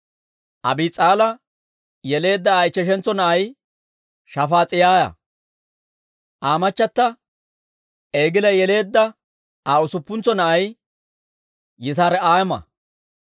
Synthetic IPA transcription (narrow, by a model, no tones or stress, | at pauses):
ʔɐ̰biːt͡sʼaːlɐ | jɛle̞ːd̪ːɐːjt͡ʃːɛʃ̬ɛnt͡sːɔnɐʔɐj | ʃɐfaːt͡sʼɪjaːjɐ̰ | ʔaːmɐt͡ʃːɐt̪ːɐ | eːɡɪlɐjɛle̞ːd̪ːɐ | aːʊsʊpːʊnt͡sːɔnɐʔɐj | jːɪt̪aːɾɛaːjmɐ̰